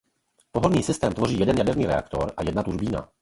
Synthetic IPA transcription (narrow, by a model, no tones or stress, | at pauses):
poɦolɲiːsɪst̪ɛːmt̪vo̞riːjɛdɛnjadɛɾniːɾɛ̰a̰kt̪o̞̰ɾʔajɛdnat̪uʒbiːna̰